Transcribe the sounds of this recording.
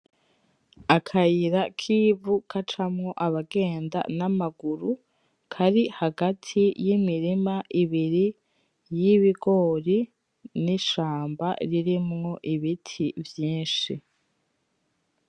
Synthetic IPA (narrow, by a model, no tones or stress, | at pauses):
akʰajiɾakʰivukʰat͡ʃamŋo̞ʔaβaɡe̞ːnda̰namaɡuɾu | kʰaɾihaɡatʰijimiɾimaʔiβiɾi | jiβiɡo̞ːɾi | niʃaːmba̰ɾiɾimŋo̞ʔiβitʰivjiːnʃi